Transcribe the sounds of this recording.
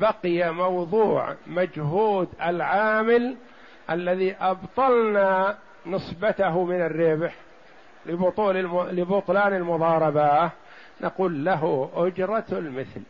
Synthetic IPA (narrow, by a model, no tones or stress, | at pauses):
baqɪjamɑwðˤuːʕmad͡ʒɦuːd̪alʕaːmɪl | ʔalːaðiʔɑbt̪ˤɑlna | nɨsˤbat̪aɦmɪnarːɪbħ | lɪbʊt̪ˤuːlɪbʊt̪ˤlɑːnɪlmʊðˤɑːɾˤɑba | nʔaquːlːaɦʊʔʊd͡ʒɾˤɑlmɪθl